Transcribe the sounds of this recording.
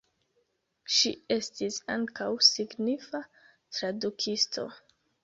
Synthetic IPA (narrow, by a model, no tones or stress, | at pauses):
ʃie̞stisa̰ŋkawsiɡnifa | tɾadukʰistʰo̞̰